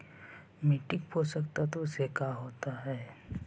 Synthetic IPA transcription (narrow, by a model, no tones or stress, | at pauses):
miʈɪk̚poːsəkt̪at̪osekaɦoːt̪aɦɛː